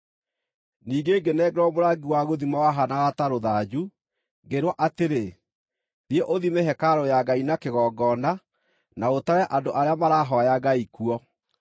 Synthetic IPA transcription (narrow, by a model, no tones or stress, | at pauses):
niːɡeɡenɛːɡeɾɔmoɾaɡiwaɣoðimawaɦanaɣataɾoðad͡ʑu | ɡeɾwɔʔateɾe | ɾjeʔoðimeɦɛkaɾɔjaɡainakeɣɔːɡɔna | naɣotaɾɛʔandoʔaɾeamaɾaɦɔjaɡaikuɔ